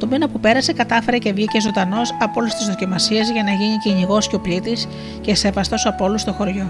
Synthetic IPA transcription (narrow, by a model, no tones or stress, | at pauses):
t̪o̞minɐpupe̞ɾɐse̞kɐt̪ɐfe̞ɾe̞ce̞vʝice̞zo̞nd̪ɐno̞sɐpo̞lust̪izðo̞cimɐsiɐzʝɐnɐʝiɲiciɲiɣo̞scʲeo̞plit̪is | ce̞se̞vɐst̪o̞sɐpo̞lust̪o̞xo̞ɾʝo̞